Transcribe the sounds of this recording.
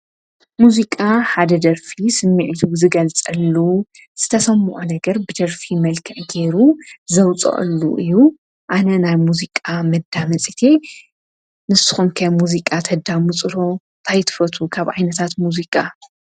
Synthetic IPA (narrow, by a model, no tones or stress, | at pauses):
muzikʼaħad̪ɐd̪ɐɾfisɨmːiʕit̪ʰuzɨɡɐlt͡sʼɐlːu | z̥ɨt̪ʰɐsɐmːɨʔunɐɡɐɾbɨd̪ɐɾfimɐlkʰɐʕɡe̞ɾuzɐwt͡sʼɐ̰ʔɨ̰lːṵʔɨjːu | ʔanɐnajmuzikʼamɐd̪ːamɐt͡sʼit̪ʰe | nɨsɨ̥xumkʰɐmuzikʼat̪ʰɐd̪amut͡sʼɨɾo̞nt̪ʰajt̪ʰɨ̥fɐt̪ʰukʰaβʕajnɐt̪ʰat̪muzikʼa